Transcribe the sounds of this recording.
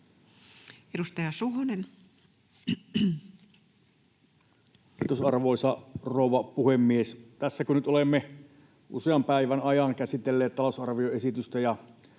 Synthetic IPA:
edust̪ɑjɑsuɦonen | kit̪usɑrʋoˑisɑroˑuʋɑpuhemːiest̪æsːækønyt̪olemːe | ʔṵseɑmpæiʋænɑjɑnkæsit̪elːeːt̪t̪ɑlosɑrʋioesit̪yst̪æjɑ

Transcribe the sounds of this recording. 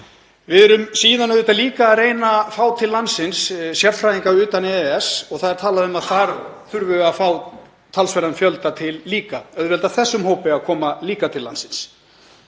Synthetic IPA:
vɪðɛɾʏmsiːðanːœðʏt̪aliːkaːðreːjnafaːwt̪ʰɪlːansɪnssjɛɾfɾajiŋkaʏːt̪anɛðɛɛsɔɣθaðɛɾt̪ʰaːlaðʏmaðθaɾθʏɾvʏɣafaːw | t̪ʰalsvɛɾanfjœlt̪at̪ʰɪlːiːkaœðvɛlt̪aθɛsːʏmhoːwpɪaðkʰɔːmaliːkat̪ʰɪlːa̰nsɪns

